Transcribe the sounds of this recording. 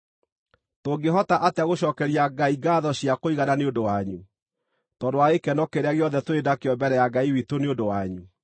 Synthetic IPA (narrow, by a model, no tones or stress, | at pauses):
toːɡeɦɔtaʔateaɣoɕɔːkɛɾiaɡaiɡaðɔɕiakoiɣananeodowaɲu | tɔndoaekɛnɔkeɾeaɣeɔðɛtoedakeɔbɛɾɛjaɡaiwitoneondowaɲu